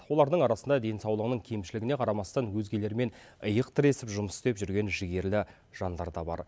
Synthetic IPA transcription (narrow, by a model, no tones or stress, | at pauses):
wo̞lˠɑɾd̪əɴɑɾɑsənd̪ɑd̪e̞nsɑwlˠəʁənəŋkʲʰejmʃɪlɪɡʲɪne̞qʰɑɾɑmɑst̪ɑnwɵzɡʲe̞le̞ɾme̞n | əjəqt̪ʰəɾe̞sɪpʒʊməsɪ̥st̪e̞pʒʏɾɡʲe̞nʒɪɡʲe̞ɾlɪ | ʒ̥ɑnd̪ɑɾd̪ɑbɑ̰ɾ